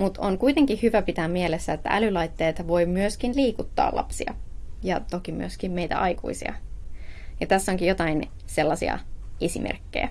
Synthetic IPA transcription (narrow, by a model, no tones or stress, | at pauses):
mut̪o̰ŋkuit̪e̞ŋkihyʋæpit̪æːmmielesːæet̪ːæ̰ʔælylɑjt̪ːeːt̪ɑʋo̞jmyøskinliːkut̪ːɑ̰ːlʔɑ̰psḭɑ̰jɑt̪okimy̰øskimmejt̪æ̰ʔɑjkṵisḭɑ̰ | jɑt̪æsːoŋkijot̪ɑin | selːɑsḭɑ̰esḭmʔḛrkːḛjæ̰